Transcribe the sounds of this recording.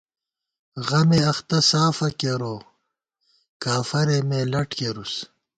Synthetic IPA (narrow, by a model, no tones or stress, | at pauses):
ɣɐmeɐxt̪ɐsaːfɐkeɾoː | kaːfɐɾemeːlɐʈkeɾus